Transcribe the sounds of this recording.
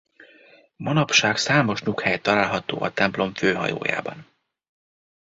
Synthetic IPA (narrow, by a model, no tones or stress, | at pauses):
mɒnɒpʃaːksaːmo̞ʃnukhɛjt̪ːɒlaːlɦɒt̪o̰ːʔɒt̪ɛmplo̞ɱføːɦɒ̰jo̰ːja̰ːbɒn